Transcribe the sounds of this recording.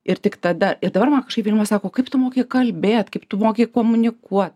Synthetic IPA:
ɪrtʲɪkt̪ɐd̪ɐɪrd̪ɐbɐrmɐnkɐʃkɐɪpʋʲiːlʲmɐsɑːkoːkɐɪpt̪ʊmoːkʲeɪkɐlʲbʲeːt̪kɐɪpt̪ʊmoːkʲeɪkoːmʊnʲɪkuɔt̪̚

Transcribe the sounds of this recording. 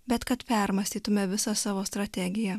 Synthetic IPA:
bʲɛt̪kɐt̪pʲɛɾmɐsʲt̪ʲiːt̪ʊmʲɛʋʲɪsɑsɑːʋoːst̪ɾɐt̪ʲæɡʲɪjɛ

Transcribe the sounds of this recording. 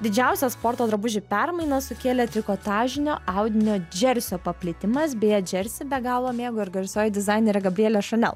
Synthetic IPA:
d̪ʲɪd͡ʒʲɛʊsʲɛspoːɾt̪oːd̪ɾɐbʊʒʲɪpʲɛɾmɐɪnɐsʊkʲeːlʲɛt̪ʲɾʲɪkoːt̪ɑːʒʲɪnʲo̰ːʔɐʊd̪ʲɪnʲoːd͡ʒʲɛɾʲsʲoːpɐpʲlʲɪt̪ʲɪmɐs̬bʲeːjɛd͡ʒʲɛɾʲsʲɪbʲɛɡɑːlˠʋˠoːmʲeːɡoːɪɾɡɐɾʲsoːjɛd̪ʲɪzɑɪnʲeɾʲɛɡɐbʲɾʲiɛlʲɛʃɐnʲɛ̰lˠ

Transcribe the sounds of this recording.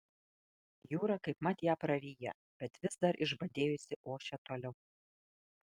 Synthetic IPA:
juːɾɐkɐɪpmɐt̪ʲjæːpɾɐɾʲiːjɛ̰ | b̥ʲɛt̪ʋʲɪsd̪ɐɾʔɪʒbɐd̪ʲeːjʊsʲɪʔoːʃʲɛt̪oːlʲɛʊ

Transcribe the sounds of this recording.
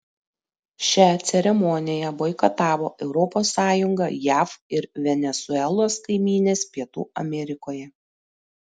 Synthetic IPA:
ʃʲæt̪sʲɛɾʲɛmɔnʲɪjɛʋɔɪkɐt̪ɑːʋoːʔɛʊɾɔpoːsːɑːjʊŋɡɐjæːfɪɾʋʲɛnʲɛsʊɛlˠoːskɐɪmʲiːnʲeːspʲiɛt̪ṵːɐ̰mʲɛɾʲɪkoːjɛ

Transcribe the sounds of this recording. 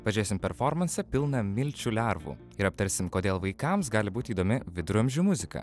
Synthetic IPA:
ʋɐʒʲeːsʲɪmpʲɛɾfɔɾmɐnʲsʲɛpʲɪlˠnɐmʲɪlʲt͡ʃʲulʲæɾʋṵː | ɪɾɐp̚t̪ɐɾʲsʲɪmkoːd̪ʲeːlˠʋɐɪkɐmsɡɑːlʲɪbuːt̪ʲiːd̪oːmʲɪʋʲɪd̪ɾuɔmʲʒʲuːmʊzʲɪkɐ̰ː

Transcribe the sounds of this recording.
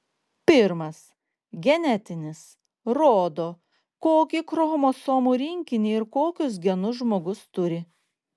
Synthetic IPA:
pʲɪɾmɐs | ɡʲɛnʲɛt̪ʲɪnʲɪs | ɾoːd̪oː | koːkʲɪkɾɔɣɔmosoːmuːɾʲɪŋʲkʲɪnʲiːɪɾkoːkʲʊs̬ɡʲɛnʊsʒmoːɡʊst̪ʊɾʲɪ

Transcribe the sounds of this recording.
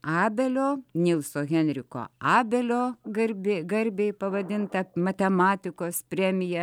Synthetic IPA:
ɑːbʲɛlʲoːnʲɪlˠsoːɣʲɛnʲɾʲɪko̰ːɑːbʲɛlʲoːɡɐɾʲbʲeɡɐɾʲbʲeɪpɐʋɐd̪ʲɪnt̪ɐmɐt̪ʲɛmɑːt̪ʲɪkoːspʲɾʲɛmʲɪjɛ

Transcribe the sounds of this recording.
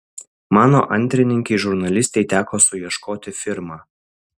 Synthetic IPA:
mɑːno̰ːʔɐnʲˑt̪ʲɾʲɪnʲɪŋʲkʲɛɪʒʊɾnɐlʲɪsʲt̪ʲɛɪt̪ʲæːkoːsʊjiɛʃkoːt̪ʲɪfʲɪɾmɑː

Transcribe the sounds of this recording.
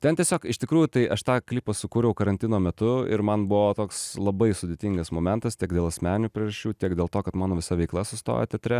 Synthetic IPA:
t̪ʲɛnt̪ʲiɛsʲoːkɪʃt̪ʲɪkɾuːjuːt̪ɐɪʔɐʃt̪ɑːklʲiːpɐsʊkuːɾʲɛʊkɐɾɐnʲt̪ʲɪnoːmʲɛt̪ʊɪ̰ɾmɐnbʊʋoːt̪oːkslˠɐbɐɪsʊd̪ʲeːt̪ʲɪŋɡɐsmoːmʲɛnt̪ɐst̪ʲiɛkd̪ʲeːlˠɐsʲmʲæːnʲuːpʲɾʲɪrɐʃʲt͡ʃʲuːt̪ʲiɛkd̪ʲeːlˠt̪oːkɐt̪mɑːnoːʋʲɪsɐʋʲɛɪklˠɐsʊst̪o̰ːjo̰t̪ʲɛt̪ʲɾʲɛ

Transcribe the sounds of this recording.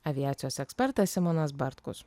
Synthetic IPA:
ɐʋʲiæːt̪sʲɪjɔsɛkspʲɛɾt̪ɐsʲɪmɔnɐs̬baɾt̪kṵs

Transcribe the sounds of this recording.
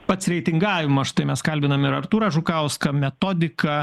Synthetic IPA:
pɐt̪sɾʲɛɪt̪ʲɪŋɡɑːʋʲɪmɐsʃt̪ɐɪmʲɛskɐlʲbʲɪnɐmɪɾɐrt̪uːɾɐʒʊkɐʊskɐmʲɛt̪oːd̪ʲɪkɐ

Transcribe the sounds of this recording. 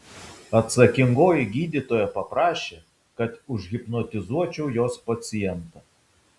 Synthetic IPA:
ɐt̪sɐkʲɪŋɡoːjɪɡʲiːd̪ʲit̪oːjɛpɐpɾɑːʃʲeː | kɐt̪ʊʒʲɣʲɪpnɔt̪ʲɪzuɔt͡ʃʲɛʊjoːspɐt̪sʲɪjɛnt̪ɐ

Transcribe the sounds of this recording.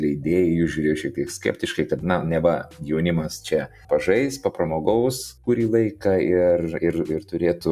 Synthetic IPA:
lʲɛɪɪd̪ʲeːjɛjʊsʒʲuːɾʲeːjoʃʲɛkt̪ʲiɛksʲkʲɛ̰ːpʲt̪ʲɪʃkɐɪkɐt̪nɐnʲɛʋɐjɛʊnʲɪmɐst͡ʃʲɛ | pɐʒɐɪspɐpɾɐmoːɡɐʊskuːɾʲiːlˠɐɪkɐɪrɪrɪrt̪ʊɾʲeːt̪ʊ

